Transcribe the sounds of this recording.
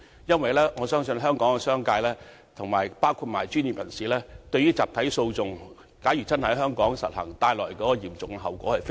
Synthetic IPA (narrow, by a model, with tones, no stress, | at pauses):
jɐ˥nwɐ˨jlɛː˥ŋɔː˨˧sœː˥ŋsɵ˧nɦœː˥ŋkɔː˨˥ŋkɛ˧sœː˥ŋkaː˧jlɛː˥ | t̪ʰʊ˨˩ŋmaː˨˩jpaː˥wkʰuː˧t̚ma̰ː˨˩jt͡ʃyː˥nji˨p̚jɐ˨˩nsiː˨˥lɛː˥t̪ɵ˧ɥyː˥t͡saː˨p̚t̪ʰɐ˨˥jso˧wt͡sʊ˨˧ŋ | kaː˨˥jyː˨˩t͡sɐ˥nhjɦœː˥ŋkɔː˨˥ŋsɐ̰˨t̚hɐ̰˨˩ŋt̪aː˧jlɔː˨˩jkɔː˨˥kɔ˧jiː˨˩mt͡sʊ˨ŋ˧ɦɐ˨wkʷɔː˨˥hɐ˨jf